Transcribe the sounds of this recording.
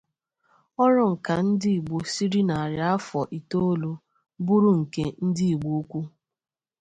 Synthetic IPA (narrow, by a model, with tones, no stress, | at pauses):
ɔ˦ɾʊ˦ŋ̩˨ka˨n̩˦dɪ˦i˨ɡ͡bo˨si˦ɾi˦na˨a˨ɾja˦a˦fɔ˨ʔi˨to˦lo˦ | bu˦ɾu˦ŋ̩˨ke˦n̩˦dɪ˦i˨ɡ͡bo˦o˦kʷu˦